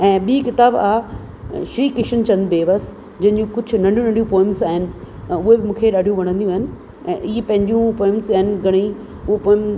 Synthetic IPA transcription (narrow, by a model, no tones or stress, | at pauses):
ɛ̃ːɓiːkɪt̪aːba̰ː | ʃɾiːkɪʃənt͡ɕɐ̃nd̪beːʋəs | d͡ʑɐɦɪ̃ɲd͡ʑũkʊd͡ʑʱʊnɐ̃ɳɖijũnɐ̃ɳɖijũpoːɪ̃mzaːɦɪnɪ̆ | ʊɦebɪmũːkʰeɗaːɖʱijũʋɐɽ̃ə̃nd̪ijũaːɦɪnɪ̆ | ɛ̰̃ːʔiːepɐ̃ɦɪ̃ɲd͡ʑjũpoːɪ̃mzaːɦɪnɪɡʱɐɽ̃i | ʊopoːɪ̃m